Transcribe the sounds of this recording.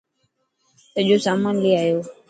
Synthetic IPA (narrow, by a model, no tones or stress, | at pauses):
t̪əʄoːsaːmaːnliaːɦjoː